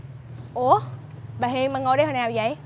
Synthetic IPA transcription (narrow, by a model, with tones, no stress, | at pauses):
ʔu˧˩ | ɓaː˨ɦi˧əŋmaː˨˩ŋo˧jɗə˧˦jho˧˩naː˨˩wzə̰˧˨j